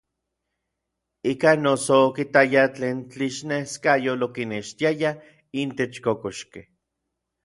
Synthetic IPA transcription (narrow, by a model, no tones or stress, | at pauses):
ikanosoːkit̪ajat͡ɬeːnt͡ɬiʃneskajolokineʃt̪iaja | int̪et͡ʃkokoʃke